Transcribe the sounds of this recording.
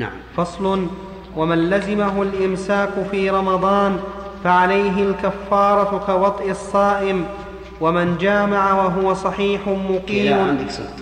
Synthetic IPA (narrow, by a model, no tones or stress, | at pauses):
fɑsˤlʊn | wamanlazɪmaɦʊlʔɪmsaːqʊfiːɾˤɑmɑd̪ˤɑːnfaʕalajɦɪlkafːɑːɾˤɑkawɑt̪ˤʔɪsˤːɑːʔɪm | wamɪnd͡ʒaːmaʕawaɦʊwasˤɑħiːħʊmʊqiːm